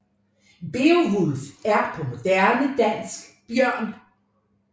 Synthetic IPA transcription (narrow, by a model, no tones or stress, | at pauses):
b̥eːoʋulfæɐpʰɔmod̥æɐnəd̥ænsɡ̥b̥jœɐ̰n